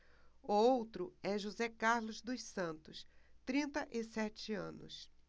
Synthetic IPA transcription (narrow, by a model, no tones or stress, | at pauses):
ʊowt̪ɾʊɛʒozɛkaɾlʊzd̪ʊssɐ̃nt̪ʊst̪ɾĩnt̪ɐʔɪsɛt͡ʃɪɐ̰̃nʊ̰s